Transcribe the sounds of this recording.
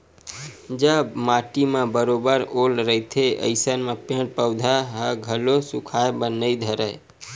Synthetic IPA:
d͡ʒəmaʈimãbəɾobəɾolɾəɦt̪ʰeʔə̰ɪsənmapẽɽpəwd̪ʱaɦəɡʱəlosukʰaebənəid̪ʱəɾəj

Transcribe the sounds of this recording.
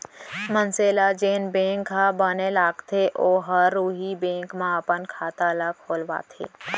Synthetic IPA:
mənseːlad͡ʒeːnbẽːŋkɦabənelaːɡt̪ʰeʔoːɦəɾːuːɦibẽːŋkmãəpənkʰaːt̪aːlakʰoːlʋa̰ːt̪ʰḛː

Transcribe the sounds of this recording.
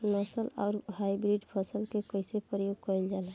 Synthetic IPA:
nəsəla̰ːɾhajbɾiɖpʰəsəlkekəɪsepɾəjoɡ̚kəld͡ʒaːlɛ

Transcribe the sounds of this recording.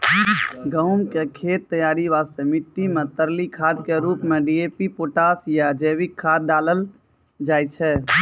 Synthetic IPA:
ɡə̃ʊmkekʰeːt̪ːəjaːɾiʋaːst̪emɪʈːimet̪əɾlikʰad̪keɾuːpmeɖiepipoːʈaːsjad͡ʒeːʋikʰːaːd̪̚daːləl | d͡ʒaːjt͡ʃʰɛ

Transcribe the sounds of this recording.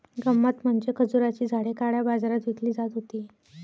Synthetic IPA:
ɡəmːat̪m̤əɳd͡ʑekʰəd͡zuɾat͡ɕiːd͡zʱaɽekaɽjabad͡zaɾat̪ʋit̪ʰliːd͡zat̪ɦot̪iː

